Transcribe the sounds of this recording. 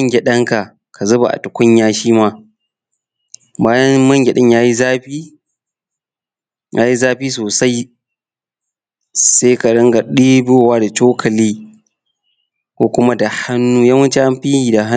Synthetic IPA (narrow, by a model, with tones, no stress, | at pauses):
ŋɡʲe˨ɗɐ˦ŋka˨ | ka˨zʊ˦ba˨ʔa̰˨tʊ˨kʷʊ˦ɲ˦jaː˦ʃiː˦maː˦ | baː˦jɐ˦mɐ˦ŋɡʲe˨ɗɪ˦ɲjaː˦ji˦zaː˦ɸiː˦ | jʔaː˦ji˦zaː˦ɸiː˦s̬oː˨sa˦j | se˦ka˨ɽɪ˦ŋɡa˨ɗiː˦bʊ˦˨waː˦da˨t͡ʃoː˦kʰɐ˨liː˦ | kʷoː˦kʷʊ˦ma˦da˨ha˦nːuː˦jɐ˦wɐ˦t͡ʃe˦ha˦mɸiː˦jiː˨da˨ɦa˦